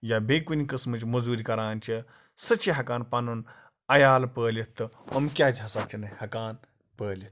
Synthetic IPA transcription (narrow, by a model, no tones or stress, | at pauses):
jabʱekunikɐsmɨt͡ʃʲmɐzuːɾikɐɾaːnʲt͡ʃʰi | sɐt͡ʃʰiɦɐkaːnpɐnun | ɐjaːlpəːlʲit̪ːɨomkʲaːd͡ʒʲɦɐsaːb̚t͡ʃʰinɐhɐkaːn | pəːlʲit̪̚ʰ